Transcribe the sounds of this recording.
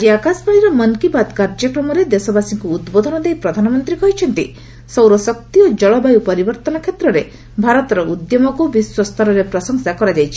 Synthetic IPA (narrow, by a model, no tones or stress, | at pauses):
d͡ʒiakaspaɭ̃iɾɔmɔnkipat̪kaɾd͡ʒɔkɾɔmɔɾed̪esɔbasiŋkuːd̪bod̪ʱɔnɔd̪ejpɾɔd̪ʱanɔmɔnt̪ɾikɔɦjt͡ʃʰɔnt̪i | sɔwɾɔsɔk̚t̪iod͡ʒɔɭɔbajupɔɾibɔɾt̪ɔnɔkʰjet̪ɾɔɾe | bʱaɾɔt̪ɔɾɔʔud̪jɔmɔkubiswɔst̪ʰɔɾɔɾepɾɔsɔŋsakɔɾad͡ʒajt͡ʃʰi̥